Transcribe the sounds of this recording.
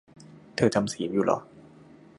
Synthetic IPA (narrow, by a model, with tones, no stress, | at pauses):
t̪ʰɤː˧t̪ʰa˧msiː˩˦juː˨˩lɔ̰˨˦